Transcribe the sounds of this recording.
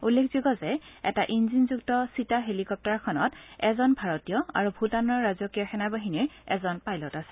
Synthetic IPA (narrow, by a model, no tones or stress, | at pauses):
ulːekʰz̥iɡɔzɛɛ̰taʔinzinzuktɔsitaɦelikɔp̚tɔɹkʰɔnɔtɛzɔnbʱaɹɔtijɔa̰ɹubʱutanɔɹːazɔkijɔxʰɛnabaɦiniɹɛ̰zɔnpajlɔtasɛ̥